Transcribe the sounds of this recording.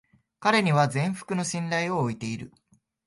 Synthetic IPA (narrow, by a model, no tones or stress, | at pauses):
kaɾe̞ɲ̟iβ̞azẽ̞ɰ̃ɸɯ̥kɯ̟no̞ɕĩnɾaio̞ːit̪e̞iɾɯ̟̰